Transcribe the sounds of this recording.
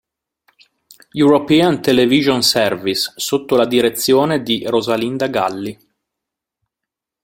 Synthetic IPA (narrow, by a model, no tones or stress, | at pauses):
juɾopɛant̪eleviʒonsɛrvisːot̪ːolad̪iɾet̪sːjoːned̪irozalind̪aɡalːi